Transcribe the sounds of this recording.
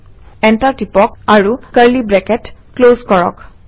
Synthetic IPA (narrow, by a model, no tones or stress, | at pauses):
ɛntaɹtipɔk̚aɹukəɹlibɹɛkɛtklozkɔɹɔ̰k